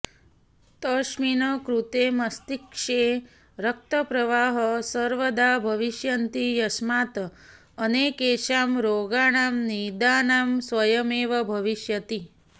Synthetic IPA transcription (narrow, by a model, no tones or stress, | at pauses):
t̪əʃminəkɾut̪emɐst̪ikʂe | ɾək̚t̪əpɾɐʋaːɦəsəɾʋəd̪abʱɐʋiʃjɐnt̪ijɐsmaːt̪ː | nekeːʃaːmɾoːɡaːɳaːmnid̪aːnaːmsʋɐjəmeːʋɐbʱɐʋiʃjət̪i